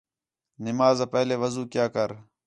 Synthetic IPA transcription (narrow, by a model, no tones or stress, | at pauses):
nɪmaːzaːpɛɦleːʋəzuːkjaːkəɾ